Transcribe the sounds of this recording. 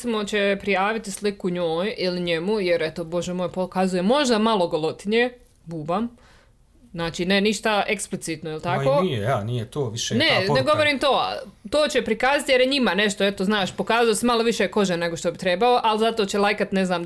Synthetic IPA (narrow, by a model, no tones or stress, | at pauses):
imot͡ɕe̞pɾijaːʋit̪islikuɲoːjiliɲe̞mujeɾet̪obo̞ʒemoːjpokazuje̞mo̞ʒd̪amalˠo̞ɡolˠot̪ine | buːbam | znaːt͡ʃiːneniʃt̪aʔe̞ksplit̪sit̪noilt̪akkoːijejanijet̪oːʋiʃeneneɡo̞ʋoɾiːmt̪oːt̪oːt͡ɕepɾikaːzat̪je̞ɾjeɲimane̞ʃt̪o̞e̞t̪oznaːʃpo̞kaːzajosemalˠo̞ʋiʃeko̞ʒene̞ɡoʃt̪o̞bit̪ɾebaoʔalzat̪o̞t͡ɕelˠajkat̪ne̞znaːm